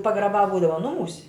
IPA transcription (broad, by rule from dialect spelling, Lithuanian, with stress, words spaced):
pɐɡrɐˈbɑː ˈbuːdɐʋɐ ˈnʊmuːsʲ